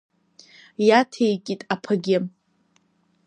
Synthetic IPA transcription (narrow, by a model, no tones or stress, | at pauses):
jatʰejkʲʼitʼapʰɨɡʲɪ